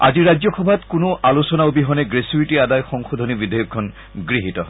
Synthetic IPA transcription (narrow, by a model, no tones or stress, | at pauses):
a̰ziɹazɔxɔbʱatkʊnʊʔalusɔnaobiɦɔnɛɡɹesuitiadajxɔŋxod̪ʱɔnibidʱajɔkʰːɔn | ɡɹiɦitɔ